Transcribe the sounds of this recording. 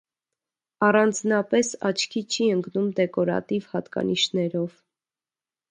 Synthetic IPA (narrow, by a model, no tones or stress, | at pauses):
ɑrɑnd͡znɑpɛsɑ̰t͡ʃʰkʰit͡ʃʰiəŋɡnumd̪ɛkɔɾɑ̰t̪ivhɑt̪kɑ̰niʃnɛɾɔv